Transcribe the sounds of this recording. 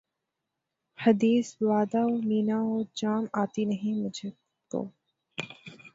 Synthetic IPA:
hɐd̪iːsʋaːd̪aomiːnaoːd͡ʒaːmaːt̪inɐɦĩmʊd͡ʒʱe | t̪o̰ː

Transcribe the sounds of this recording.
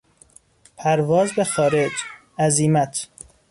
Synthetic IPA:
pʰæɾvɒːzbexɒːɾed͡ʒ | æziːmæt̪ʰ

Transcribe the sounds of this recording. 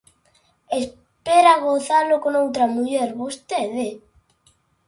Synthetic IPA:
es | peɾaɣoθalokonowt̪ɾamuʎɛɾβost̪eðe

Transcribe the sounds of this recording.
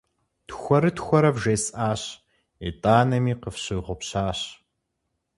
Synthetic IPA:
txʷɔɾɨtxʷɔɾɐvʒeːsʔaːɕ | itʼaːnɐmiːqəfɕɨːʁʷʊpɕaːɕ

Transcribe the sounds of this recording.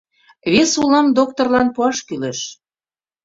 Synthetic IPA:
βesulɑmd̪ok̚t̪orlɑnpuɑʃkyleʃ

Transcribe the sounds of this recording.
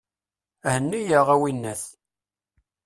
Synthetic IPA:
hənːijəʁæwinːæθ

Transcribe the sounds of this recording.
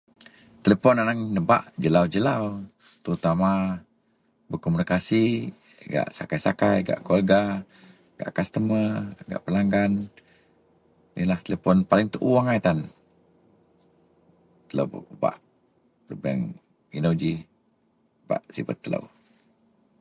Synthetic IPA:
t̪əlepɔnanaŋnəba̰ʔd͡ʒəlawd͡ʒəlaw | t̪əɾut̪ama | bəkomunikasi | ɡa̰ʔsakajsakajɡa̰ʔkolɡa | ɡa̰ʔkast̪əməɡa̰ʔpəlaŋɡan | nḭlaht̪elepɔnpalɪŋt̪uʔuwaŋajt̪an | t̪ələ̰wb̰ba̰ʔ | ləbɛ̰ŋ | inod͡ʒi | b̥a̰ʔsibət̪ːələ̰w

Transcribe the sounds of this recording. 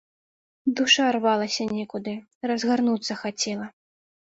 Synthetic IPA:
d̪uʂarvalˠɐsʲɐnʲɛkud̪ɨ | rɐzɣarnut̪sːɐxat͡sʲɛlˠɐ

